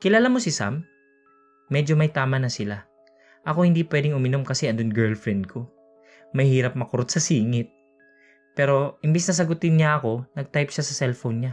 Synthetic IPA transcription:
kɪlaːlamo̞sɪsa̰m | ɛd͡ʒo̞mɐjt̪aːmɐnɐsɪla | ʔɐko̞hɪnd̪ipwɛːd̪ɪŋʔʊmɪno̞mkɐsɛʔɐnd̪onɡɛɹlfɹɛnd̪̚kʰo̞ | mɐjhiːɾɐp̚mɐkʊɾot̪̚sɐsiːŋɪt̪̚ | pɛːɾo̞ʔɪmbɪsnɐs̬ɐɡʊt̪ɪnɲaʔɐko̞nɐɡ̚t̪ajpʃasɐsɛlfownɲa

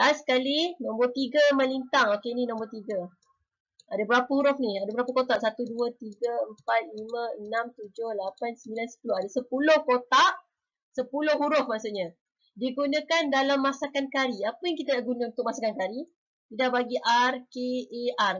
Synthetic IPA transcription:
lasə̥kalinɔ̃mbərt̪iɡəmə̃lint̪aŋokeninɔ̃mbərt̪iɡa | adabəɾapəhuɾʊfniadəbəɾapəkot̪aʔsat̪uduət̪iɡəəmpat̪̚limə̃ənãmt̪ud͡ʒʊhlapansəmbilansə̥pulʊhadasəpulʊhkot̪aʔ | səpulʊhɦuɾʊfmaʔsuʔɲa | diɡunãkandalamːasakankaɾiapəjaŋkit̪anaʔɡunaunt̪ʊk̚masakankaɾi | t̪idaʔbaɡiʔarkeːar

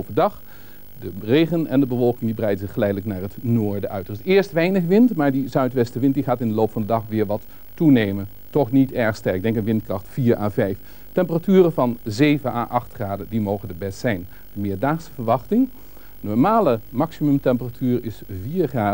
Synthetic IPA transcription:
wpədɑχ | dərejχənɛndəbəvɔlˠkɪŋdibərɛjdəzɪχːəlɛjdələknaːɹɦətnoːɹdəʔœɥtəɪsɪːɹstʋɛjnəχʋɪntmaːɹdizœɥtʋɛstəʋɪnt̚diχaːtɪndəlowpfɑndədɑχʋɪːɹʋɑt | unejmən | tɔχnitɛɹχstɛɹɪɡ̚dɛŋkənʋɪntkrɑχtfiːɹʔa̰ːvɛjf | tɛmpəratyːrəvɑnzejvəna̰ːʔɑχtχraːdəndimowχəndəbɛstsɛjn | dəmɪːɹdaːχsəvəɹʋɑχtɪŋ | nɔɹmaːləmɑksimɵmtɛmpəratʰyːɹɪsviːɹχraː

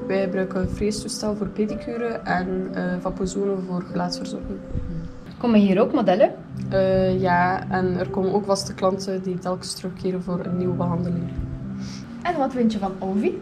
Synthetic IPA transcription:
ʋɛjbəɾœɥkəfreːstustɛlˠvoːrpetikʰyːɾəʔɛnəvɑpozoːnəvoːrɣəlaːtfərzɔrkəŋ | koməɦiːɾoːkmodɛlə | əːjaːɛnərkoːmənoːkvɑstəklɑntəditɛlˠkə̥strɵxkːeːɾənvoːɾənːiwəbəɦɑndəlɪŋ | ɛnʋɑtfɪntjəvɑnowvi

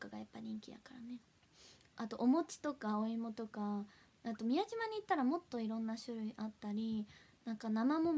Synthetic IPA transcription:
okaɡajapːaɲ̟ĩŋkʲid̪a̰kaɾane̞ | at̪o̞ʔomo̞t͡sɨ̥t̪o̞kaoimot̪o̞ka | at̪o̞mʲiaʑimaɲ̟iːt̪ːaɾamo̞t̪ːo̞iɾõ̞nːaɕɨɾɯ̟iʔat̪ːaɾʲi | nãŋkanamamo̞

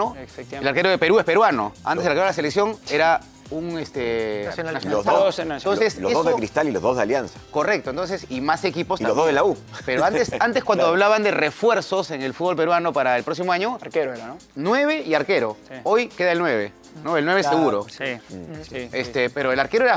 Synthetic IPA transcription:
oelaɾkeɾoðepe̞ɾuespe̞ɾwano̞̰a̰nt̪ezðelɾkeɾlasele̞ksjo̞ŋeɾa | uŋest̪enasjonst̪onsesloeðozðekɾist̪alilozðoðealjansḁko̞rek̚t̪oent̪o̞nsesimase̞kiposioðoðelaupeɾoant̪sant̪eskwand̪oaβlaβand̪erefwe̞ɾsoseŋe̞lfud̪̚βo̞lpe̞ɾwano̞paɾaelpɾo̞ksimoaɲo̞keɾ | nwe̞βe̞iaɾke̞ɾo̞ojke̞ðaelnwe̞βe̞̰ | noelnweeeseɣuɾo̞i | est̪epeɾoelaɾkeɾoeɾa

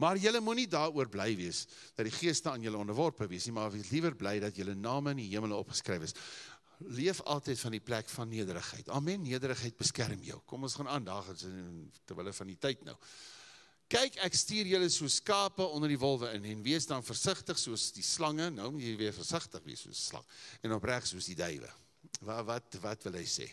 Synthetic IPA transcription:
mɑrjələmunidɑːɾuərblɛjviəs | dɐtdiχiəstəɑːnjələɔndərvɔrpəviəsnimɑːvislivərblɛjdɐtjələnɑːməəniɦiəmələɔpχə̥skrɛjvəs | liəfɐ̰lˠtɛjtfɐndiplækfɐnːiədəɾəχɦə̰jtɐ̰lˠmɛnːiədəɾəχɦəjt̚bəskærmjœ̰wkɔmɔsχɑnɑːndɑːχəsətəvələfɐnditəjtnœ̰w | kɛjkækstiːrjələsuəskɑːpəɔndərdivɔlˠvəənɛnviəsdɐnfərsəχtəχsuəsdislɐŋənəwmutjələviərfərsəχtəχvḭəsṵəsslɐ̰ŋɛnɔpræχsuəsdidœjvə̰ | vɐvɐtvɐtvəlˠɦəjsḛː

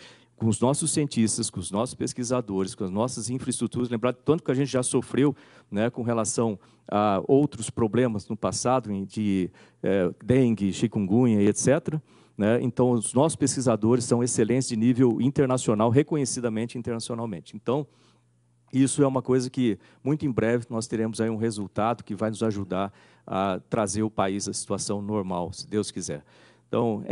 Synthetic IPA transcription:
kõʊznɔsʊsiẽnt͡ʃist̪ɐskõʊznɔsʊ̥speskizad̪oɾɪskõɐznɔsɐzĩfɾɐist̪ɾut̪uɾɐzlẽmbɾaɾd̪ɪt̪ɐ̃nt̪ʊkɪaɐʒẽnt͡ʃ̪ɪʒasofɾew | nɛkõɦelasɐ̃w̃ | a̰owt̪ɾʊspɾoblẽmɐznʊpasad̪ʊẽd͡ʒɪ | ɛd̪ẽɡɪʃikũɡũɲɐiet̪sɛt̪ɾɐ | nɛḛ̃nt̪ɐ̃w̃ʊznɔsʊ̥speskizad̪oɾɪsːɐ̃w̃eselẽnt͡ʃ̪ɪzd͡ʒɪnivewĩnt̪eɾnasionawɦekõɲesid̪ɐmẽnt͡ʃɪĩnt̪eɾnasionawmẽnt͡ʃɪẽnt̪ɐ̃w̃ | isʊɛũmɐkojzɐkɪ | mũj̃t̪ʊẽj̃bɾɛvɪnɔst̪eɾẽmʊzaiũɦezuwt̪ad̪ʊkɪvajnʊzaʒud̪aɾ | ɐ̰t̪ɾazeɾʊpaizɐsi̥t̪uasɐ̃w̃noɾmawsɪd̪ewskizɛ̰ɾ | ẽt̪ɐ̰̃w̃

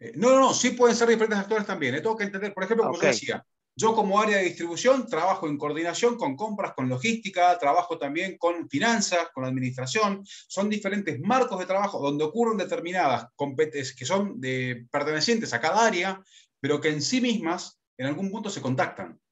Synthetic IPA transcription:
enononosipweðenseɾðifeɾent̪es̬akt̪o̞ɾest̪ambjenejt̪eŋɡo̞kent̪end̪eɾpoɾexemploomʒoesia̰ | ʒo̞ko̞moaɾjaðeðist̪ɾiβusjo̞nt̪ɾaβaxoe̞ŋkoɾðinasjo̞ŋko̞ŋko̞mpɾasko̞nlo̞xist̪ikat̪ɾaβaxo̞t̪ambje̞ŋko̞nfinansasko̞nlaðminist̪ɾasjo̞nso̞nd̪ife̞ɾe̞nt̪ezmaɾko̞zð̞e̞t̪ɾaβaxo̞ðo̞nd̪eokurend̪et̪eɾminaðasko̞mpet̪eskeso̞mepeɾt̪e̞nesje̞nt̪esakaðaaɾja | peɾo̞keːnsimizmas | enalɣumpunt̪o̞se̞ko̞nt̪̬ak̚t̪a̰n

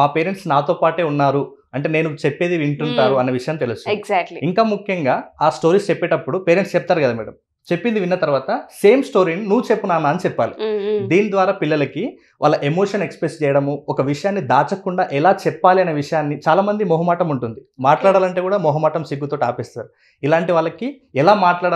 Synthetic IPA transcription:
maːpe̞ːɾeɳʈsnaːt̪oːpaːʈeːunːaːɾu | ɐɳʈeːne̞ːnut͡ʃepːe̞ːd̪iʋiɳʈuɳʈaːɾuɐnːeʋiʂɐjaːmnit̪elust̪uɡzʈliiŋkaːmukʰjɐŋɡaːaːsʈoːɾiːst͡ʃɛpːɛːʈɐpːuɽupe̞ːɾeɳʈst͡ʃɛp̚t̪aːɾukɐd̪aːmḭːɽɐ̰m | t͡ʃe̞pːind̪iʋinːɐt̪ɐɾuʋaːt̪ɐse̞ːmsʈo̞ːɾininuʋut͡ʃe̞pːunaːnaːnit͡ʃɛpːaːlḭd̪iːnid̪ʋaːɾaːpilːɐlɐki | ʋʔaːlːɐʔe̞moːʂɐnekspɾest͡ʃɛːjɐɽɐmuɔkɐʋiʂɐjaːnːid̪aːt͡ʃɐkuɳɖaːʔɛlaːt͡ʃɛpːaːliɐneːʋiʂɐjaːnːit͡ʃaːlaːmɐnd̪imɔɦɐmaːʈɐmuɳʈund̪imaːʈlaːɽaːlɐɳʈe̞ːkuːɽaːmɔɦɐmaːʈɐmsiɡːut̪o̞ːʈiaːpɛːst̪aːɾu | ilaːɳʈiʋaːɭːɐki | ɛlaːmaːʈlaːɽ

